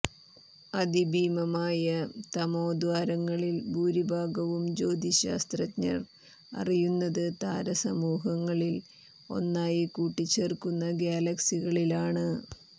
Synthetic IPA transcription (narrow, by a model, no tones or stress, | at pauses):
ɐd̪ibʱiːmɐmaːjɐt̪ɐmo̞ːd̪ʋaːɾɐŋːɐɭilbʱuːɾibʱaːɡɐʋumd͡ʑo̞ːd̪iɕa̰ːst̪rɐtɲɐ̰r | ɐ̰rijunːɐðɨt̪aːɾɐsɐmuːɦɐŋːɐɭil | o̞̰nːaːjikuːʈːit͡ɕːeːrkunːɐɡjaːlɐksiɣɐɭilaːɳɨ